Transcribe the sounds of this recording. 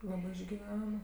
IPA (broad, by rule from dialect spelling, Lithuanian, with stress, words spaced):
ˈlˠɑːbɜ ɪʒʲɡʲɪˈʋʲɛn